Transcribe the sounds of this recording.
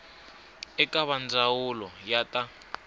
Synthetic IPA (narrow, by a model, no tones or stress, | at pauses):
ɛkʼaβand͡zʱawulɔjatʼa